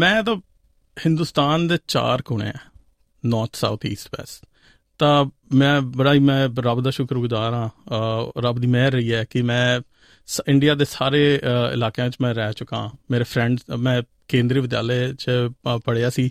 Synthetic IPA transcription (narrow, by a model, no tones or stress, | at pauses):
mɛ̃ːt̪ãː | hɪ̃nd̪uːst̪aːnd̪eːt͡ʃa̰ːɾkʊɳḛːɛː | nɔːɾt̪ʰsa̰ːut̪ʰiːsʈʋɛ̰ːs | t̪ãːmɛ̃ːbəɽaːiːmɛ̃ːɾəbd̪aːʃʊkɾʊɡd̪aːɾãː | ɾəbd̪iːmɛːɾəiːɛːkɪmɛ̃ː | sɪɳɖijaːd̪eːsaːɾeːɪ̰laːkãːt͡ʃmɛ̃ːɾɛːt͡ʃʊkã̰ːmeːɾeːpʰɾɛ̃ɳɖmɛ̃ː | kẽːnd̪ɾiːʋɪd̪ja̰ːleːt͡ʃəpəɽeːaːsiː